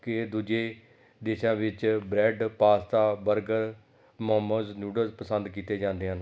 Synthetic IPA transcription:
ked̪uːd͡ʒeː | d̪eːʃãːʋɪt͡ʃbɾɛːɖpaːst̪aːbəɾɡəɾ | mɔːməznjuːɖəɾpəsə̃nd̪kiːt̪eːd͡ʒãːnd̪eːɦən

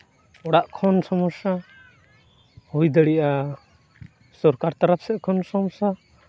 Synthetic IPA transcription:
ɔɽaʔkʰɔnsɔmɔsa | hujd̪əɽiʔa | sɔɾkaɾt̪aɾap̚sɛʔkʰɔnsɔmɔsa

